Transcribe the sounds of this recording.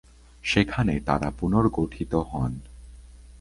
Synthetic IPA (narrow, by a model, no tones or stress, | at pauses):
ʃekʰanet̪a̰ɾapunoɾɡoʈʰit̪oɦɔn